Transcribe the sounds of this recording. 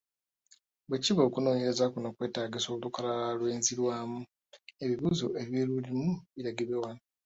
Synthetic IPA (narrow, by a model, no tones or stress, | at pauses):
bweciβakuno̞ːɲeɾe̞zakunakwe̞ːtaːɡiso̞ːβulukalalalwe̞ːnziɾwaːmu | e̞βiβuzo̞ʔeβjeɾulimuβiɾaɡeβewana